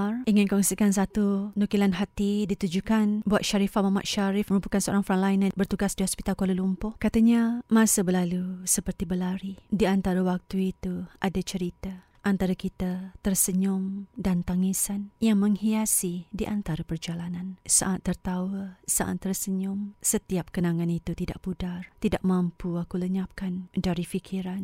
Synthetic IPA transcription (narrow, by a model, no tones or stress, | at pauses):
riŋɪnkɔŋsikans̬at̪unukilanɦat̪idit̪ud͡ʒukanbuat̪̚ʃaɾifat̚mama̰ʔ̪̚ʃaɾɪfməɾupakansəo̰ɾaŋfɾanlainabərt̪uɡasdiɦɔspit̪alkoləlumpʊhkat̪aɲamãsəbəlalusəpərt̪ibəlaɾidiant̪aɾawak̚t̪uit̪uadat͡ʃəɾit̪a | ʔant̪aɾakit̪at̪ərsəɲʊmdant̪aŋisanjaŋməŋhiasidiʔant̪aɾapərd͡ʒalanansa̰ʔat̪ːərt̪awəsa̰ʔa̰t̪ːərsəɲʊmsət̪iap̚kənãŋãnit̪ut̪ida̰ʔpudart̪idaʔ̚mãmpuakuləɲap̚kandaɾifikʰiɾan